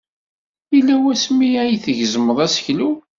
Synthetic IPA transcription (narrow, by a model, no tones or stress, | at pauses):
ilːæwæsmːiæjθəʝzəmːəðˤæsçlu